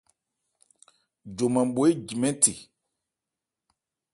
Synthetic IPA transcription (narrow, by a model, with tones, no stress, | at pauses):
d͡ʒo˨mã˨m˨ɓo˨e˦d͡ʒi˨mɛ̃˦ti˨